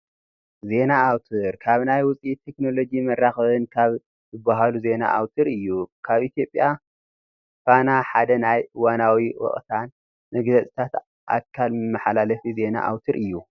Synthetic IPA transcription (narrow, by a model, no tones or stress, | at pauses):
ze̞naːwt̪ʰɨɾkʰaβnajwʊt͡sʼit̪ʰːe̞kno̞lo̞d͡ʒimɐrːaxɐβɨnkʰaβ | zɨbːaɦaluze̞na̰ʔa̰wt̪ʰɨɾɨjːukʰaβʔit̪ʰjo̞pʼːja | fanaħad̪ɐnajwanawiwɔ̰χʼt̪ʰan | mɨɡlɐt͡sʼt̪ʰat̪ | ʔa̰kʰːalmɨmːɐħalalɐfize̞na̰ʔa̰wt̪ʰɨɾʔɨjːu